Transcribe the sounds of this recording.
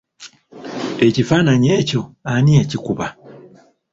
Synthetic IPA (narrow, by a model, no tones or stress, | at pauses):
ecifanaɲɛcoaniacikuβa